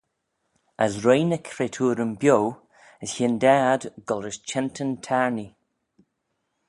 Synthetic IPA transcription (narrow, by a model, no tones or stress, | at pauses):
əzɹejnəkʰɾetʰuːɾəmbjow | əsçɪndaːdɡɔlɹəst͡ʃʰɛntʰəntʰaɹni